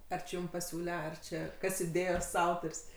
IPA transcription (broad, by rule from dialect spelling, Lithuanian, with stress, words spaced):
ˈɐr t͡ʃʲɪ ˈjʊm pɐˈsʲuːlʲɛ ˈɐr t͡ʃʲɛ ˈkɐs ɪˈdʲeːjoːs ˈɐʊtoːrʲsʲ